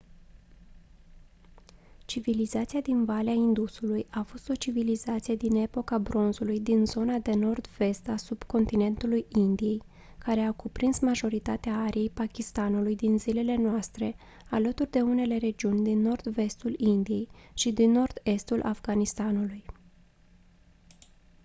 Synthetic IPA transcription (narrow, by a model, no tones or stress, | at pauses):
t͡ʃivilizat̪siad̪invaleaind̪usulujafo̞st̪o̞t͡ʃivilizat̪sije̞d̪ine̞po̞kabɾo̞nzulujd̪inzo̞nad̪e̞no̞rd̪ve̞st̪asub̥ko̞nt̪ine̞nt̪ulujind̪ije̞j | kaɾe̞akupɾinsmaʒo̞ɾit̪at̪eaaɾije̞jpakʲist̪anulujd̪inzile̞le̞noast̪ɾe̞ | alət̪urʲd̪e̞une̞le̞ɾe̞d͡ʒiunʲd̪inːo̞rd̪ve̞st̪ulind̪ije̞jʃid̪inːo̞rd̪̥e̞st̪ulʔa̰fɡanist̪anuluj